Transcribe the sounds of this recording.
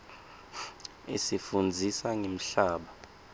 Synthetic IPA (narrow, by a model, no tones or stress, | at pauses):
esifund͡zʱisaŋem̩ɬaːɓa